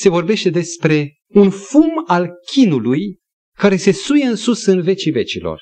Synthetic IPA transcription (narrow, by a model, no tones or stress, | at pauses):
se̞vo̞rbe̞ʃt̪e̞d̪e̞spɾe̞ | unfumalkʲʰinuluj | kaɾe̞se̞sujeɨnsusɨnve̞t͡ʃive̞t͡ʃilo̞̰r